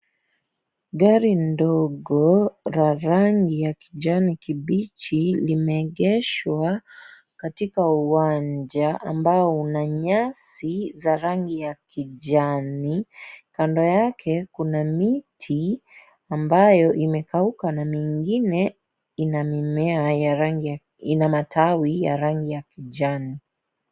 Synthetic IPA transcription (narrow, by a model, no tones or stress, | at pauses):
ɠaɾindɔɠɔɾaɾaŋɡijakiʄanikiɓit͡ʃilimɛːɠɛʃwa | katikauwaɲd͡ʒaʔambaɔunaɲasizaɾaŋɡijakiʄanikandɔjakʰɛkunamitʰi | ambajɔʔimɛkaukanamiŋɡinɛ | inamimɛaaŋɡi | inamatʰawija̰ɾaŋɡijakiʄani